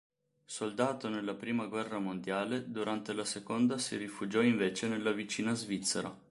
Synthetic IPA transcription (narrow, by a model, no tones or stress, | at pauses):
sold̪aːt̪onelːapɾiːmaɡwɛrːamond̪jaːled̪uɾant̪elasekond̪asḭɾifud͡ʒɔiɱveːt͡ʃenelːavit͡ʃiːnazvit̪sːeɾa̰